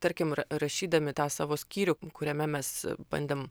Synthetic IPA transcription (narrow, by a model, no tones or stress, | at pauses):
t̪ɐɾʲkʲɪmrɐrɐʃʲiːd̪ɐmʲɪt̪ɑːsɑːʋoːsʲkʲiːɾʲʊkʊɾʲɛmʲɛmʲɛsbɐ̰nʲd̪ʲeːm